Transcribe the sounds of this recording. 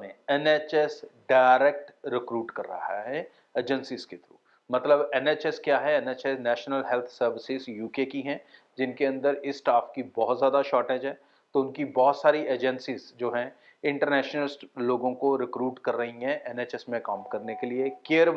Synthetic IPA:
ẽɛnet͡ʃɛsɖaːɪɾek̚ʈɾɪkɾuːʈkɐɾːɐ̰ɦaɦɛ | eːd͡ʒənsɪzket̪ʰɾuː | mɐt̪ləbɛneːt͡ʃɛskjaːɦɛɛneːt͡ʃɛsnɛːʃnəlɦɛlt̪ʰsɐɾʋɪsɪzjuːkekiɦɛ̃ | d͡ʒɪnkeɐ̃nd̪əɾɪsːʈaːfkibɔːʊt̪zjaːd̪aʃɔːɾʈeːd͡ʒɦɛː | t̪oʊnkibɔːʊt̪saːɾiʔeːd͡ʒɛ̃nsɪzd͡ʒoːɦɛ̃ | ɪ̃ɳʈəɾnɛːʃnəlɪsʈloːɡõkoɾɪkɾuːʈkɐɾːɐɦiɦɛ̃ʔɛneːt͡ʃɛsmẽkaːmkɐɾnekeliekeːəɾʋ

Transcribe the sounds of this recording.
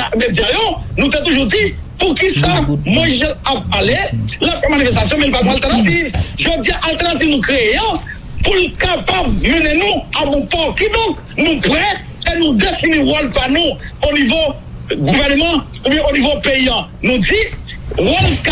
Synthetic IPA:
amedjajonũt̪et̪uʒud͡zi | pukisamɔ̃izɛlap̚alelafɛmanifɛst̪as̬jɔ̃mɛ̃lpalɔ̃alt̪ɛʁnat̪̬ivʒod͡zijaʔalt̪ɛʁnat̪ivnũkʁejã | pulkapab̚mɛnenũabɔ̃pɔkid̪ɔ̃k | nũpʁɛ | ɛnũd̪efiniwɔlpanũonivo | ɡuvɛʁnəmɑ̃ | kũbjɛ̃ʔonivopeiãnũd͡zi | wɔlk

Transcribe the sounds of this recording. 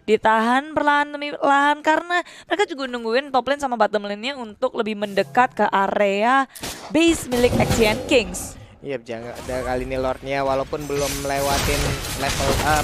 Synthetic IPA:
dit̪aɦanbərlaɦant̪əmilaɦankaɾənaməɾekad͡ʒuɡanuŋɡuɪnt̪ɔplɛnsamabat̪əmlɪnɲaunt̪ʊk̚ləbɪhməndəkat̪̚kəʔaɾeabesmilɪkɛksiankɪŋs | jad͡ʒaŋadakalinilɔrt̪̚ɲawalaupʊnbəlʊmlewat̪ɪnlɛfələ

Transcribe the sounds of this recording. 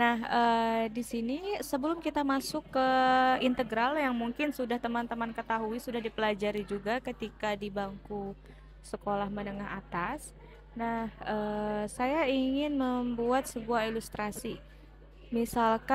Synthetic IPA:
nahədisinisəbəlʊmkit̪amasʊkːəint̪əɡɾaljaŋmuŋkɪnsudaht̪əmant̪əmankət̪aɦuisudahdipəlad͡ʒaɾid͡ʒuɡakət̪ikadibaŋku | səkolahmənəŋaɦa̰t̪as | nahəːsajaiŋɪnməmbuat̪̚səbuailust̪ɾasi | misalka

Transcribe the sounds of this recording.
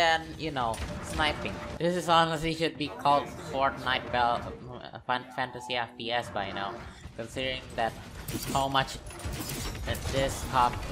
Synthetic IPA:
ɛ̃njɨnoʊsnaɪpɪ̃ŋðɪsɨsɔnəsliʃʊd̚bikʰɔlˠdfɔɹt̚naɪt̚bɛl̰ | fæ̃ntəsiapiɛsbaɪnoʊkə̃nsɪdəɹɪ̃ŋðæt̚haʊmʌt͡ʃ | d̪ɪshap̚

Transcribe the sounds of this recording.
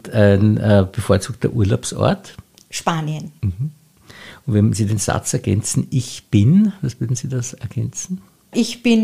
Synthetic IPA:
æɪnəːb̥əfoːɐt͡suːk̚tɐ̰ʔuɐlaʊpsɔ̰ɐt | ʃpaːniənm̩hm̩ | ʊntvɛnz̥iːdeːnz̥a̰t͡sɛɐɡ̥ɛ̰nt͡sn̩ɪçb̥ɪnvasv̥ʏɐdn̩z̥iːdasɛɐɡ̥ɛnt͡sn̩ | ʔɪçb̥ɪn

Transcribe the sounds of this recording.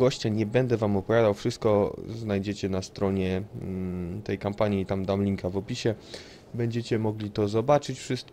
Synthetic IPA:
ɔɕt͡ɕaɲɛbɛnd̪ɛvamɔpɔvʲad̪awfʂɘst̪̚kɔznajd͡ʑɛt͡ɕɛnast̪ɾɔɲɛ | t̪ɛjkampaɲit̪amd̪amlʲiŋkavɔpʲiɕɛ | bɛɲd͡ʑɛt͡ɕɛmɔɡlʲit̪ɔzɔbat͡ʂɘt͡ɕfʂɘst̪̚

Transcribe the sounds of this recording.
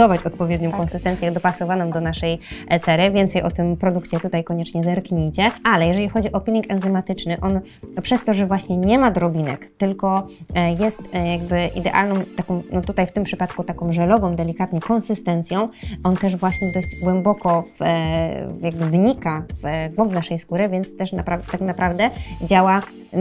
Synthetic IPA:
ɔvat͡ɕɔt̪̚pɔvʲjɛd̪ɲɔ̃w̃kɔnsɨst̪ɛnt̪sʲjɛd̪ɔpasɔvanɔ̃md̪ɔnaʂɛjt̪sɛɾɘvʲjɛnt̪sɛjʔɔt̪ɘmpɾɔd̪ukt͡ɕɛt̪ut̪ajkɔɲɛt͡ʂɲɛzɛɾkɲejt͡ɕɛalɛjɛʐɛlʲixɔd͡ʑiʔɔpʲilʲikɛnzɛmat̪ɘt͡ʂnɘʔɔn | pʂɛst̪ɔʐɛvwaɕɲɛɲɛmad̪ɾɔbʲinɛ̰kt̪ɘlkɔjɛst̪jaɡ̚bɘʔid̪ɛʔa̰lnɔ̃w̃t̪akɔ̃w̃nɔt̪ut̪ajft̪ɘmpʂɘpat̪kut̪akɔ̃w̃ʐɛlɔvɔ̃w̃d̪ɛlʲikat̪ɲɛkɔnsɨst̪ɛnt̪sjɔ̃w̃ʔɔnt̪ɛʐvwaɕɲɛd̪ɔʑd͡ʑɡwɛmbɔkɔf | jaɡ̚bɘvɲikavɡwɔmbnaʂɛjskuɾɘvʲjɛnt̪st̪ɛʂnapɾat̪aknapɾavd̪ɛd͡ʑawa

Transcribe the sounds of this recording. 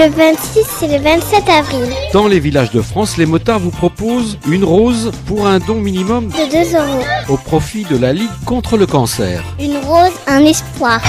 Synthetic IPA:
ləvɛ̃t̪siseləvɛ̃t̪sɛt̪avʁild̪̥ɑ̃levilaʒd̪əfχɑ̃slemɔt̪aʁvupχɔpozynʁozpuʁɛ̃d̪ɔ̃minimɔmd̪əd̪øzøʁoopχɔfid̪əlaliɡkɔ̃t̪χələkɑ̃sɛ̰ːʁynʁozɛ̃nɛspwaːʁ

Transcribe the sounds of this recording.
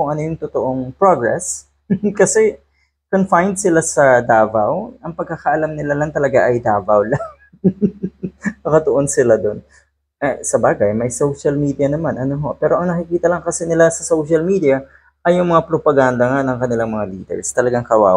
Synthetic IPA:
ʊŋʔɐnojʊŋt̪ʊt̪oʔo̞ŋpɾoɡɹɛs | kɐsɛ | konfajnd̪̚sɪlasɐd̪aːvawʔɐŋpɐɡ̚kːaːkɐʔɐlamnɪlalɐŋt̪ɐlɐɡaʔɐjd̪aːvawlaŋ | kɐkɐt̪oʔonsɪlad̪o̞n | ʔɐsɐbaːɡɐjmɐjsowʃɐlmiːd̪iɐnɐmanʔɐnoɦopɛːɾo̞ʔɐŋnɐkɪkiːt̪ɐlɐŋkɐsɛnɪlasɐsowʃɐlmiːd̪iɐ | ʔɐjʊŋmɐŋapɾopɐɡand̪ɐŋanɐŋkɐnɪlaŋmɐŋaliːd̪ɛ̰ɹst̪ɐlɐɡaŋkɐwa̰ː

